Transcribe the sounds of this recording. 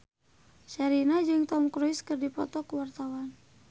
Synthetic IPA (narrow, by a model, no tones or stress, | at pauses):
ʃaɾinad͡ʒɨŋt̪aumkɾuiskərdipɔ̰t̪ɔkəwart̪awan